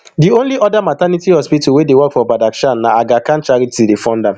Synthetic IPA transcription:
diõnliʔɔdamatanitihɔspituwedewɔkfɔbadakʃãnːaaɡakãnt͡ʃaɾitʰidefɔ̃nda

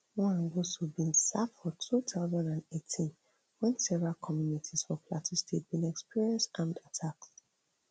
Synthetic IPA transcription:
wɔ̃ãnɡosubĩnsaffɔtʰutaʊzãndãndetʰĩn | wɛ̃nsɛvɹalkʰɔmjunitʰiz̥fɔpʰlatʰĩstʰet̚bĩnɛkspiɹiɛ̃nstãmdatʰak̚t

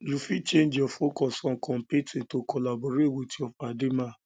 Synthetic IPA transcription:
lufit͡ʃẽnd͡ʒɔfokɔsɔ̃kɔ̃mpitĩtokɔlaboɾewotiɔfademã

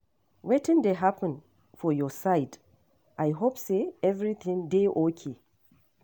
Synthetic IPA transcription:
wetɪ̃ndeɦapɛ̃n | fɔjɔsajd | ʔajɦopseɛvɹit̪ʰɪ̃ŋdeʔokʰe

